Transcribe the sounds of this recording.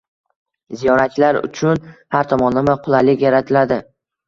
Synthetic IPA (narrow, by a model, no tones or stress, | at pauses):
zijɒɾat͡ʃlaɾʊ̰t͡ʃʰʊnhaɾt̪ʰɒmɒnːamaqʰʊlˠalɪkʲjaɾat̪ʰɪlad̪ɪ